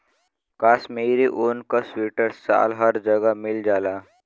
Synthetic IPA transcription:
kaːsmeːɾiʔoːnkaswiːʈəɾsa̰ːlɦəɾd͡ʒəɡamɪld͡ʒaːlaː

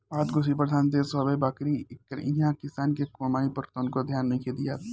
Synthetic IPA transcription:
aːt̪ɡosipɾəd̪ʱaːnt̪eːsɐbebaːkɾiɪkːəɾĩɦãkɪsaːnkekomaːnipɐɾt̪oʊnkod̪ʱjaːnːɐɦĩkʰeːd̪ijat̪ʰː

